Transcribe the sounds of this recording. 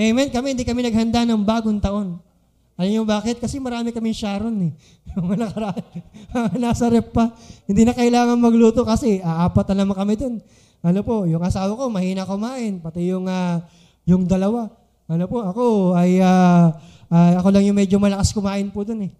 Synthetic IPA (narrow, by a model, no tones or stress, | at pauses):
ʔɛmɛnkɐmɛhɪnd̪ikɐmɪnɐɡ̚hɐnd̪anɐŋbaːɡoŋt̪ɐʔo̞n | ʔɐlɐmjʊŋbaːkɪt̪̚kɐsɛmɐɾaːmɪkɐmɪŋʃaːɾonɛ | jʊŋɐnɐkɐɾɐʔaɐnasɐɾɛp̚ːɐhɪnd̪inɐkɐʔɪlaːŋɐnmɐɡluːt̪okɐsɛʔɐʔaːpɐt̪ɐlɐmakɐmɛd̪o̞n | ʔɐno̞po̞jʊŋʔɐsaːwɐko̞mɐhiːnɐkʊmaːʔɪnpɐt̪ɪjʊŋa | jʊŋd̪ɐlɐwa | ʔɐnopo̞ʔɐko̞ɐja | ʔɐɐko̞lɐŋjʊŋmɛːd͡ʒomɐlɐkaskʊmaːʔɪnpʊd̪onɛ